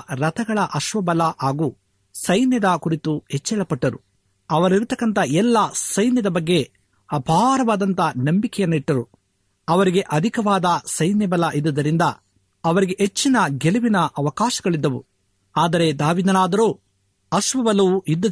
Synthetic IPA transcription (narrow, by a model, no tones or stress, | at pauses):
ɾɐt̪ɐɡɐɭɐʔɐʃʋɐbɐlɐʔaːɡuː | sɐjnjɐd̪ɐkuɾit̪uɦɛt͡ʃːɛɭɐpɐʈːɐɾu | ɐʋɐɾiɾut̪ɐkːɐnt̪ɐɛlːɐsɐjnjɐd̪ɐbɐɡːe̞ | bʱaːɾɐʋaːd̪ɐnt̪ɐnɐmbikɛjɐnːuiʈːɐɾu | ɐʋɐɾiɡe̞ʔɐd̪ʱikɐʋaːd̪ɐsɐjnjɐbɐlɐʔid̪ːɐd̪ɐɾind̪ɐ | ɐʋɐɾiɡeʔɦet͡ʃːinɐɡeluʋinɐʔɐʋɐkaːʃɐɡɐɭid̪ːɐʋu | aːd̪ɐɾe̞d̪aːʋiːd̪ɐnaːd̪ɐɾoː | ɐʃʋɐbɐlɐʋuʔid̪ːɐ